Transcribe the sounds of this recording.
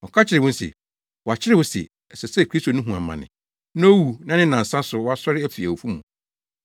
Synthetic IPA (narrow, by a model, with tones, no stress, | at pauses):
ɔ˨kʰa˦t͡ɕʰɪ˨ɾɪ˨wʊ̃˦n̩˦sɛ̰˨ | wɔ˨a˨t͡ɕʰɪ˦ɾɪ˦wʊ˦sɛ̰˨ | ɛ˨sɛ˨sɛ˦˨kʰɾi˦sto˨nũ˦ɦũ˨ã̰˨mːã̰˨nɪ̰̃˨ | nã˦o˦wu˨nã˦nɪ̃˦nã˨n̩˨sã˦sʊ˨wɔ˦a˦sɔ˦ɾɪ˦æ˦fi˨æ˨o˨fu˦mũ˨